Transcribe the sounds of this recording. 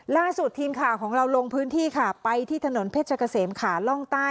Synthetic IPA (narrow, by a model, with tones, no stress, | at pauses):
laː˥˩su˨˩t̪ʰːiː˧mkʰaː˨˩wkʰɔː˩˦ŋɾa˧wlo˧ŋpʰɯː˦˥nt̪ʰiː˥˩kʰa˦˥˩pa˧jt̪ʰiː˥˩t̪ʰa˧no˩˦npʰeː˥˩t̪̚t͡ɕʰa˧ka˧seː˩˦mkʰaː˩˦lɔ˥˩ŋt̪aː˥˩